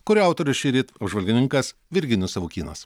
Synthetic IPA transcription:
kʊɾʲɐˑʊt̪oːɾʲʊsʃʲiːɾʲiːt̪ɐbʒʋɐlʲɡʲɪnʲɪŋkɐsʋʲɪɾʲɡʲɪnʲʊsɐʋoːkʲiːno̰s

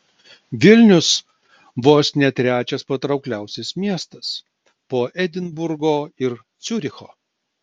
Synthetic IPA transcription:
ʋʲɪlʲnʲʊs | ʋoːsʲnʲɛt̪ʲɾʲæːt͡ʃʲɛspɐt̪ɾɐʊklʲæˑʊsʲɪsmʲiɛst̪ɐs | poːʔɛd̪ʲɪnbʊɾɡoːɪɾt̪sʲʊɾʲɪxoː

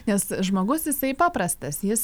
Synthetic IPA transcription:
nʲɛsʒmoːɡʊsjɪsɐɪpɑːpɾɐst̪ɐsjɪs

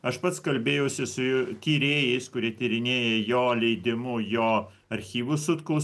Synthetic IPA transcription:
ɐʃpɐt̪skɐlʲbʲeːjɛʊsʲɪsʊkʲiːɾʲeːjɛɪskʊɾʲiɛt̪ʲɪɾʲɪnʲeːjɛjoːlʲɛɪd̪ʲɪmʊjoː | ɐɾʲxʲiːʋʊsʊt̪kɐʊ

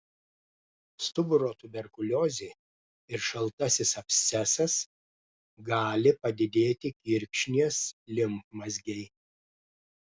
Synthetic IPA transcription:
st̪ʊbʊɾoːt̪ʊbʲɛɾkʊlʲɔːzʲɪ | ɪɾʃɐlˠt̪ɐsʲɪsɐpʲsʲsʲɛsɐs | ɡɑːlʲɪpɐd̪ʲɪd̪ʲeːt̪ʲɪkʲɪɾʲkʃʲnʲiɛslʲɪmpmɐzʲɡʲɛɪ

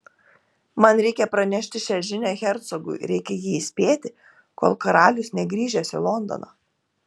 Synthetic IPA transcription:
mɐnɾʲɛɪkʲɛpɾɐnʲɛʃʲt̪ʲɪʃʲɛʒʲɪnʲɛxʲɛɾt̪sɔɡʊ̰ɪɾʲɛɪkʲɛjiːsʲpʲeːt̪ʲɪ | ko̰lˠkɐɾɑːlʲʊsnʲɛɡɾʲiːʒʲɛsʲɪ̰lˠɔnd̪ɔ̰nɐ̰ː

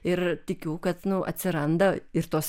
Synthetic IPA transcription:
ɪɾt̪ʲɪkʲuːkɐt̪nʊɐ̰t̪ʲsʲɪɾɐnd̪ɐɪɾt̪oːs

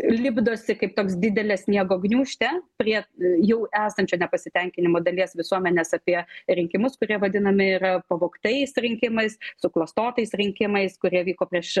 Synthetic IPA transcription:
lʲɪbd̪oːsʲɪkɐɪp̚t̪oːksd̪ʲɪd̪ʲɛlʲɛsʲnʲiɛɡoːɡnʲuːʃʲt̪ʲɛpʲrʲiɛjɛʊʔæːsɐnʲt͡ʃʲoːnʲɛpɐsʲɪt̪ʲɛŋʲkʲɪnʲɪmoːd̪ɐlʲiɛsʋʲɪsuɔmʲɛnʲɛsɐpʲiɛɾʲɪŋʲkʲɪmʊskʊɾʲiɛʋɐd̪ʲɪnɐmʲɪiːɾɐpɐʋoːkt̪ɐɪsɾʲɪŋʲkʲɪmɐɪssʊklˠɐst̪oːt̪ɐɪsɾʲɪŋʲkʲɪmɐɪskʊɾʲiɛʋʲiːkoːpʲɾʲiɛʃ

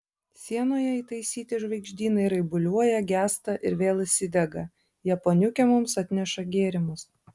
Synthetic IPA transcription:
sʲiɛnoːjɛiːt̪ɐɪsʲiːt̪ʲɪʒʋɐɪɡʒʲd̪ʲiːnɐɪɾɐɪbʊlʲuɔjɛɡʲæːst̪ɐʔɪ̰ɾʋʲeːlˠɪsʲɪd̪ʲɛɡɐ | jɛpoːnʲʊkʲɛmʊmsɐt̪ʲnʲɛʃɐɡʲeːɾʲɪmʊs

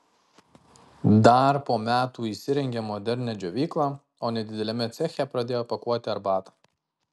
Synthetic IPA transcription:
d̪ɐɾpoːmʲæːt̪uːiːsʲɪɾʲɛŋʲɡʲɛmɔd̪ʲɛɾʲnʲɛd͡ʒʲɔʋʲiːklˠɑˑ | oːnʲɛd̪ʲɪd̪ʲɛlʲɛmʲɛt̪sʲɛxʲɛpɾɐd̪ʲeːjoːpɐkuɔt̪ʲɪɐɾbɑːt̪ɐ̥

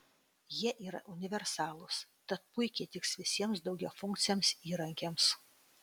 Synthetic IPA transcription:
jiɛʔiːɾɐ̰ʔʊnʲɪʋʲɛɾsɑːlˠʊs | t̪ɐt̪̚pʊɪkʲɛɪt̪ʲɪksʋʲɪsʲiɛmsd̪ɒʊɡʲɛːfʊŋk̚t̪sʲɪjɛmsiːɾɐŋʲkʲeːms

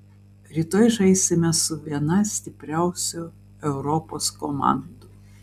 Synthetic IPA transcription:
ɾʲiːt̪oːjʒɐɪsʲɪmʲɛsʊʋʲiɛnɐsʲt̪ʲɪpʲɾʲæˑʊsʲu | ɛʊɾɔpoːskomɑ̰ˑnd̪u

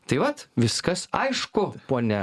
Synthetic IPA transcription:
t̪ɐɪʋɐt̪ʋʲɪskɐsɐ̰ɪʃkʊpoːnʲɛ

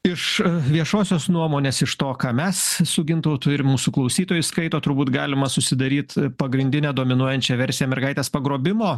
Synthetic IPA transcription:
ɪʃʋʲiɛʃoːsʲoːsnuɔmoːnʲeːsɪʃt̪oːkɑːmʲɛssʊɡʲɪnt̪ʊʊt̪ʊɪɾmuːsuklˠɐʊsʲiːt̪oːjʊskɐɪt̪oːt̪ʊɾbuːt̪ɡɑːlʲɪmɐsʊsʲɪd̪ɐɾʲiːt̪pɐɡɾʲɪnʲd̪ʲɪnʲɛːd̪oːmʲɪnuɔjɛnʲt͡ʃʲɛʋʲɛɾʲsʲɪjɛmʲɛɾɡɐɪt̪ʲeːspɐɡɾoːbʲɪmoː

